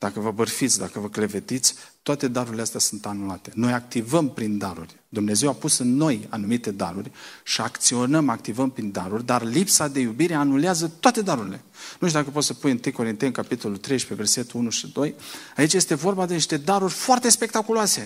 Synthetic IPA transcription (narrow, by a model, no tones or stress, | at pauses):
d̪̥akəvəbərfit̪sʲd̪akəvəkle̞ve̞t̪it̪sʲt̪oat̪e̞d̪aɾuɾʲileast̪jasunt̪anulat̪e̞no̞jak̚t̪ivəmpɾind̪aɾṵrʲ | d̪umne̞ze̞wapusɨnːo̞ja̰numit̪e̞d̪a̰ɾurʲʃiakt̪sio̞nəmakt̪ivəmpɾind̪aɾurʲd̪arlipsad̪e̞jubiɾe̞anuleazət̪oat̪e̞d̪aɾuɾʲile̞̰nuʃt̪ud̪akəp̬ot̪səpujɨnt̪ɨjko̞ɾint̪enkapit̪o̞lult̪ɾe̞jʃpeve̞rse̞t̪uunuʃid̪o̞jait͡ʃje̞st̪e̞vo̞rbad̪eniʃt̪e̞d̪aɾurʲfoart̪e̞spe̞k̚t̪akuloase̞